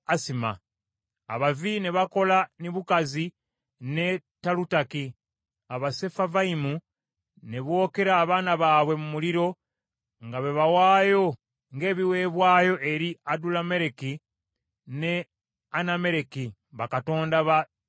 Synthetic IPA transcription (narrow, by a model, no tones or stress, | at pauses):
asima̰ː | βavineβako̞laniβukazi | ne̞talutaki | aβase̞favaimu | ne̞βwo̞ːke̞ɾaːβaːnaβaːβwe̞mumuliɾo̞ | ŋɡaβeβawaːjo̞ | ŋɡe̞ːβiwe̞ːβwaːjo̞ʔeɾiadulame̞ɾeki | ne̞ | aname̞ɾeki | βakato̞ːndaβa